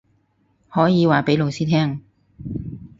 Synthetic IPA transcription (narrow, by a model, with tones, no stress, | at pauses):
hɔː˨˥jiː˨˧waː˨˩pe˨˥lo˨wsiː˥t̪ʰɛː˥ŋ